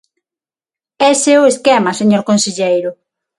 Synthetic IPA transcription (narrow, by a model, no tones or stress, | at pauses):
ɛseʊeskemaseɲoɾkonseʎejɾʊ